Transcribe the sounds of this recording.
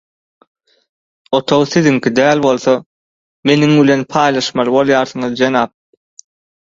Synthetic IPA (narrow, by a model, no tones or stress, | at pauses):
o̞t̪ʰowθiðiŋkʰʲid̪æːlʲbo̞lˠθo | me̞niŋbilʲe̞npʰɑːjlˠɑʃmɑlˠɯbo̞lˠjɑːɾθɯɴɯðd͡ʒenɑːp̚